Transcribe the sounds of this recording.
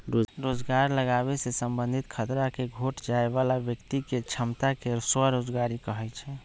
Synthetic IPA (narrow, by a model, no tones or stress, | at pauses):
ɾoɾod͡ʒɡaɾləɡaβesesəmbənd̪ʱit̪kʰət̪ɾakeɡʱoʈd͡ʒaebalabjəkt̪iket͡ʃʰəmt̪akeswaɾod͡ʒɡaɾikəɦɛt͡ʃʰɛ